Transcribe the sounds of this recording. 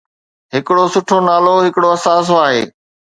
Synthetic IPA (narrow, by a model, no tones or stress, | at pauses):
ɦɪkɪɽosʊʈʰonaːloɦɪkɪɽoɐsaːs̬oaːɦḛː